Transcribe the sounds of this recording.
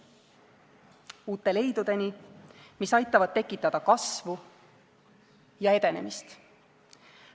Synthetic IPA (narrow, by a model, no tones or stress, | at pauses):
uːt̪ːˑe̞le̞jd̪̥ud̪̥e̞nʲimisɑjt̪ːˑɑvɑd̪̚t̪e̞kːˑit̪ːˑɑd̪̥ɑkɑsvu | jɑe̞d̪e̞ne̞mist̪